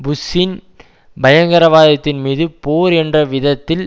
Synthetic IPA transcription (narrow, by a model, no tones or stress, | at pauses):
bʊsɪn | bɐjɐŋɡɐɾɐʋaːðɐt̪ːɪnmiːðɯpoːɾɛndrɐʋɪðɐt̪ːɪl